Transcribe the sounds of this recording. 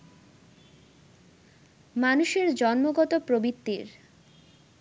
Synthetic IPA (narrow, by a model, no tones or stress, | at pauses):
manuʃeɾd͡ʑɔnmoɡɔt̪opɾobit̪ːiɾ